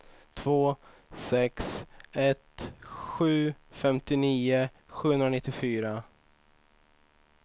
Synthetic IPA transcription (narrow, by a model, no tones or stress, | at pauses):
t̪ʰv̥oː | sɛksɛt̪ɧʉ̟ːfɛmt̪ɪniːʊ | ɧʉːhɵnɾanɪt̪ːɪfyːɾa